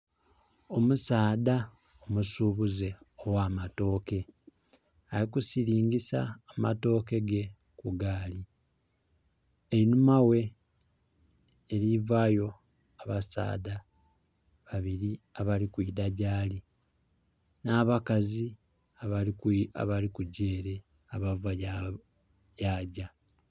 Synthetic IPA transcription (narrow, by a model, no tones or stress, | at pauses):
o̞musaːda | omusuːβuze̞ | owaːmato̞ːke̞ | aɾikusiɾiːɲɟisa̰ːma̰to̞ːke̞ɡe̞ | kuɡaːli | einumawe̞ | ɾivaːjo̞ | aβasa̰ːda | βaβiɾiaβalikwiːdaɟaːli | naːβakazi | aβaa̰βalikuɟe̞ːɾe̞ | aβavaa | jaːɟa